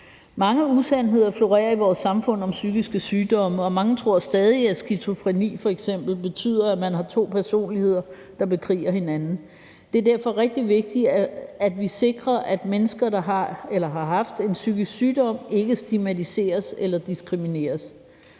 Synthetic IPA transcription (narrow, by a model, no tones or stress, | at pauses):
mɑ̈ŋəusæn̰ɦe̝ð̞̰ˠɐflo̝ʁɛ̰ːɐiʋɒːsːɑ̈mfɔ̽n̰ɒ̽msyɡ̥isɡ̥əsyːd̥ɒ̽məɒ̽mɑ̈ŋət͡sʰʁo̝ɐ̰sd̥ɛːð̞ˠiæsɡ̥it͡sʰo̝fʁɛnḭːfɒ̽eɡ̥sem̰b̥l̩b̥e̝t͡sʰy̰ːð̞̰ˠɐæmænɦɑ̈t͡sʰo̝̰ːpʰæɐso̝̰ːnlihe̝ð̞̰ˠɐ | d̥ɑ̈b̥e̝kʰʁḭːɐhe̝nænn̩ | d̥e̝æɐd̥æɐ̰fɒ̽ʁɛɡ̥̚d̥iʋe̝ɡ̥̚d̥iæd̥ʋise̝ɡ̥ʁɐʔæd̥menəsɡ̥ɐd̥ɑ̈ɦɑ̈elɐɦɑ̈ɦɑ̈fd̥e̝nsyɡ̥isɡsyːd̥ɒ̽m̰e̝ɡ̥əsd̥imæt͡sʰise̝̰ːɐselɐd̥isɡ̥ʁimine̝̰ːɐs